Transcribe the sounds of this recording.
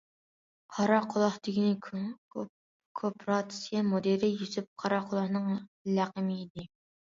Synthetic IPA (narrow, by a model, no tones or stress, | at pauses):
qʰɑɾɑqʰʊlˠɑχt̪ɪkʲinɪ | kʰopɾɑt̪ɪ̥sijɛmod̪eɾɪjysyp̚qʰɑɾɑqʰʊlˠɑχnɨŋlæqəmɪːd̪ɪ